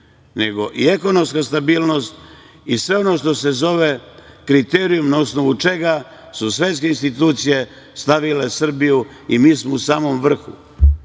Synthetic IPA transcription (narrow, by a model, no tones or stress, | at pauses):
ne̞ɡo̞ʔieko̞no̞mskast̪abiːlˠno̞st̪ | isʋe̞o̞no̞ʃt̪o̞se̞zo̞ʋe̞kɾit̪eːɾijumnaosno̞ʋut͡ʃe̞ɡa | susʋet̪s̬ke̞inst̪it̪uːt̪sije̞ | st̪aʋile̞sr̩biju | imiːsmousaːmo̞mʋr̩xṵ